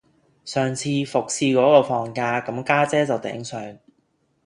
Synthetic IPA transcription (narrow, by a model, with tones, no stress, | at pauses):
sœː˨ŋt͡sʰiː˧fʊ˨k̚sʰiː˧kɔː˨˥kɔː˧fɔː˨˩ŋkaː˧kɐ˨˥mkaː˥t͡sɛː˥t͡sɐ˨wt̪ɛ̰ː˨˥ŋsœː˨ŋ